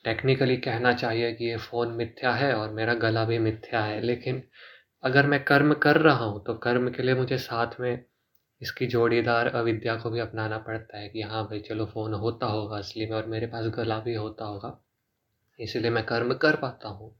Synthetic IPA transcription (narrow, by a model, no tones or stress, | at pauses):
ʈeːknɪkəlikɛɦnat͡ʃaːɦiekijefoːnmɪt̪ʰːjaɦɛɔːɾmeːɾaɡɐlabʱimɪt̪ʰːjaɦɛleːkɪn | ɐɡəɾmɛ̃kɐɾmkɐɾːɐɦaɦũt̪okɐɾmkeliemʊd͡ʒʱesaːt̪ʰmẽ | ɪskid͡ʒoːɽid̪aːɾɐʋɪd̪jakobʱiɐpnaːnapɐɽt̪aɦɛkijɐɦãbʱɐit͡ʃɐlofoːnɦoːt̪aɦoːɡaɐslimẽɔːɾmeːɾepaːsɡɐlabʱiɦoːt̪aɦoːɡaː | ɪsiliemɛ̃kɐɾmkɐɾpaːt̪aɦũː